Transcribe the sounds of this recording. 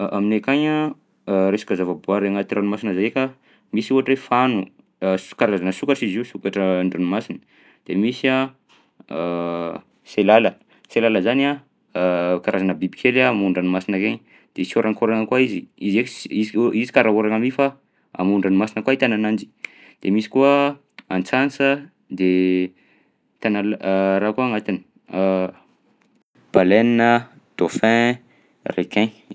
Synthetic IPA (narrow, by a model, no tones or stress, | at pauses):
ʔaminekaɲa | ɾesḁkazavabuaɾeŋat̪iɾanimasinəzajekʲa | misuɦaʈ͡ʂefanu | kaɾazanəsukaʈ͡ʂiziusukaʈ͡ʂəɳɖ͡ʐanimasinə | d̪̥emisia | selalə | selaləzania | kaɾʔazanəbibikʰelamuɳɖ͡ʐanimasinakeɲ | d̪̥esoɾʔaŋkoɾanəkwaiziizekiziizi̥kaɾaɦuɾaŋamifa | a̰muɳɖ͡ʐanimasinəkwait̪ananand͡ʒi̥ | d̪̥emisi̥kuə | ant͡sansə | d̪e | t̪analɾakuaŋat̪ini̥ | b̥aleninə | d̪̥ofɛ̃ | rekɛ̃